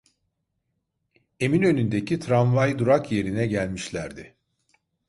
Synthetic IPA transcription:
e̞minø̞nynd̪e̞cit̪ʰɾanvajd̪uɾakje̞ɾinɛɟælʲmiʃlʲæɾd̪ɪ

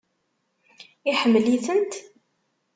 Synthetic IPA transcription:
iħəmːliθənt̪

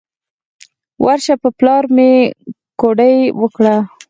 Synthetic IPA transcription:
wʔaɾʃapəplɑɾme | koɖajwəkɽa

